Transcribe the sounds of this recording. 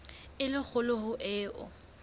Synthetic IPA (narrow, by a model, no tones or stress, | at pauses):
ɪlɪk͡xʰʊlʊhʊʔɪːʔʊ̰